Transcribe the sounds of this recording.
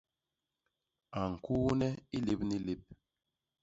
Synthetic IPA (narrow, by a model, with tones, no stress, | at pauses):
a˨ŋ̩˨ku˦nɛ˦i˦li˦p̚ni˦li˦p̚